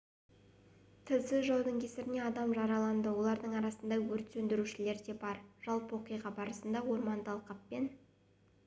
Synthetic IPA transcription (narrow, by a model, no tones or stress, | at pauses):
t̪ʰəlsɪʒɑwd̪əŋkʲʰesɪɾɪne̞ɑd̪ɑmʒɑɾɑlˠɑnd̪əwo̞lˠɑɾd̪əɴɑɾɑsənd̪ɑwɵɾt̪sɵnd̪ɪɾuʃɪle̞ɾd̪e̞bɑɾʒ̥ɑlˠpəwo̞qəjʁɑbɑɾəsənd̪ɑwo̞ɾmɑnt̪ʰɑlˠqɑpːe̞n